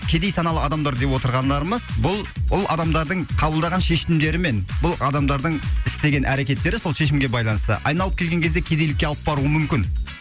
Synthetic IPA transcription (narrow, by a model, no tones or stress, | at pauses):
kʲʰe̞d̪ejsɑnɑlˠəɑd̪ɑmd̪ɑɾd̪e̞pwo̞t̪əɾʁɑnd̪ɑɾəməzbʊlˠbʊlˠɑ̰d̪ɑmd̪ɑɾd̪əɴqʰɑbəlˠd̪ɑʁɑnʃe̞ʃɪɪmd̪e̞ɾɪme̞nbʊlˠɑd̪ɑmd̪ɑɾd̪əɴɪst̪e̞ɡʲe̞nʔæɾe̞kʲe̞t̪ːe̞ɾɪso̞lˠʃe̞ʃɪmɡʲe̞bɑjlˠɑnəst̪ə̰ʔɑ̰jnɑlˠəp̚kʲe̞lɡʲe̞ŋkʲʰe̞zd̪ekʲʰe̞d̪elɪkʲːe̞ɑlˠəp̚bɑɾuəmʏmkʲɪn